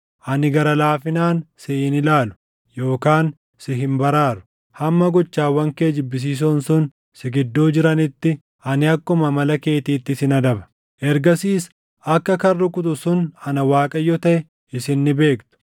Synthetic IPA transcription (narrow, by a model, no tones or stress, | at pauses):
ʔɐnɪɡɐɾɐlaːfɪnaːnsɪɪnɪlaːlʊ̥ | jo̞ːkaːn | sɪɦɪmbɐɾaːɾʊ̥ | hɐmːɐɡɔt͡ʃːaːwɐŋkeːd͡ʒɪbːɪs̬iːs̬onsʊn | sɪɡɪd̪ːo̞ːd͡ʒɪɾɐnɪt̪ːɪ | ʔɐnɪɐkːʊmɐmɐlɐke̞ːt̪iːt̪ːɪsɪnɐd̪ɐbɐ̥ | ʔɛɾɡɐsiːs | ɐkːɐkɐrːʊkʼʊt̪̬ʼʊsʊnɐnɐwaːkʼɐjːɔt̪ɐʔɛ | ɪsɪnːɪbe̞ːkt̪ʊ̥